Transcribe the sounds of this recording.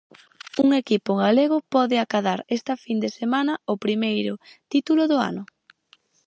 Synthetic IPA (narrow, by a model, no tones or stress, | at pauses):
uŋekipʊɣaleɣ̞ʊpɔðɪakaðaɾest̪ɐfind̪esemanɐopɾimejɾʊt̪it̪ulʊðʊa̰nʊ